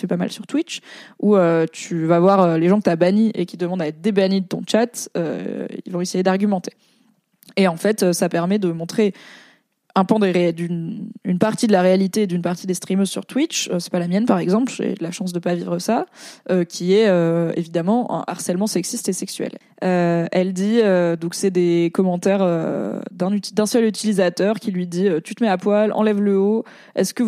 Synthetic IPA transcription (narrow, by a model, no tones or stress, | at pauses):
fɛpama̰lsyʁt̪wit͡ʃuøt̪yvavwaʁøleʒɑ̃kət̪yabaɲiʔekʲi̥d̪əmɑ̃d̪aɛt̪χd̪ebaɲid̪ət̪ɔ̰̃t͡ʃat̪ø̰ḭlvɔ̃esejed̪aʁɡʲymɑ̃t̪ʰe̥ | eɑ̃fɛt̪øsapɛʁmɛd̪əmɔ̃t̪χe | ɛ̃pɑ̃d̪eʁed̪ynynpaʁt̪id̪əlaʁealit̪eːd̪ynpaʁt̪id̪est̪χimøzsy̰ʁt̪wit͡ʃøsɛ̥palamjɛnpaʁɛɡzɑ̃plʒḛlaʃɑ̃s̬d̪əpavivʁəsaøkʲʰiɛøḛvid̪amɑ̃ɛ̰̃ʔa̰ʁsɛlmɑ̃sɛksist̪esɛksɥɛ̰l | øɛld̪iød̪ɔ̃ksɛd̪ekɔmɑ̃t̪ɛʁø̰d̪ɛ̃nyd̪ɛ̃sœlyt̪ilizat̪œʁkʲilɥid̪iøt̪yt̪əmɛapwalɑ̰̃lɛvləo | ɛ̰skə